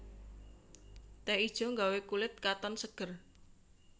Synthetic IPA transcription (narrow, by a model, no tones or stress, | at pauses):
t̪ɛid̥ʒ̥ɔ̤ŋɡawekulɪt̪̚kat̪ɔnsəɡ̥ər